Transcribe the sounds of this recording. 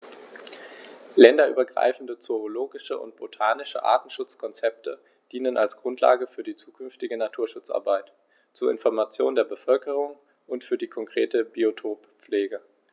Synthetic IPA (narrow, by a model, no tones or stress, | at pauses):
lɛndɐʔy̰ːbɐɡʁa̰ɪfn̩dət͡soʁoloːɡɪʃəʔʊ̰ntb̥otʰaːnɪʃə̰ʔa̰ːɐtn̩ʃʊt͡skʰɔnt͡sɛp̚tʰə | d̥iːnənʔalsɡ̥ʁʊntla̰ːɡəfyːɐdiːt͡suːkʰʏnftɪɡənatʰuːɐʃʊt͡sa̰ɐbaɪt | t͡suːɐɪ̰nfɔɐmat͡sjoːndeːɐbəfœlkəʁ̞ʊŋ | ʔʊntfyːɐdiːkʰɔŋkʁ̥ḛːtəbiotʰoːp | p͡fleːɡə